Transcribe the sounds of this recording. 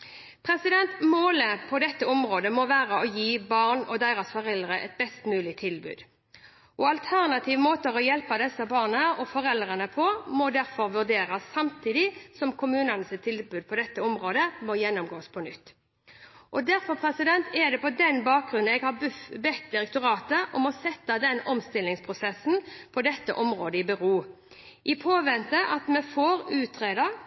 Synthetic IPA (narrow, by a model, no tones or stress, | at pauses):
pʰɾɛsɪd̪ɛnt̪moːləpʰɔd̪ɛt̪ːəɔmɾoːd̪əmɔʋæːɾəɔjiːbɑʁnɔd̪æɪɾɑsfɔʁɛld̪ʁəʔɛ̰t̪̚bɛst̪mʉːlɪt̪ʰɪlbʉ̰ːd̪ | ʔɔɑlt̪ʰæʁnɑt̪ʰiːʋmoːt̪əʁɔjɛlpɑd̪ɛsːəbɑːʁnəɔfɔɾɛld̪ʁənəpʰɔmɔd̪æɾfɔɾʋʉʁd̪eːɾɑsːɑmt̪ʰiːd̪ɪsɔmkʰʊmʉːnənəsɪt̪ʰːɪlbʉːd̪̚pʰɔd̪ɛt̪ːəɔmʁoːd̪əmɔjɛnːʊmɡoːspʰɔnʏt̪ː | ʔɔd̪æɾfɔʁpʰɾɛsɪd̪ɛnt̪ʰɛd̪ɛpɔd̪ɛnbɑːk̚ɡʁʉn̩ɛɡhɑbbɛt̪ːd̪ɪɾɛk̚t̪ʊɾɑːt̪əʔɔmɔsɛt̪ːɑd̪ɛnɔmst̪ɪlːɪŋspʰʁʊsɛsːn̩pʰɔd̪ɛt̪ːə̰ʔɔmʁoːd̪əɪbəɾuː | ʔɪpʰoːʋɛnt̪əʔɑt̪mɛfoːɾʉːt̪ʰɾeːd̪əɾ